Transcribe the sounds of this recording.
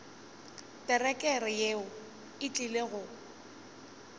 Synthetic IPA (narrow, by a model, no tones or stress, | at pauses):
tʼɛrɛkʼɛɾɪjeʊ | ɪt͡ɬʼileɣʊ